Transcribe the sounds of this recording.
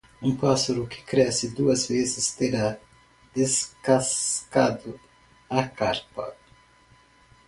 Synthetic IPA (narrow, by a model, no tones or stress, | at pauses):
ũŋpasoɾukɪ̥kɾɛsɪd̪uɐzvezɪst̪eɾa | d̪eskaskad̪ʊ | akaɾpa̰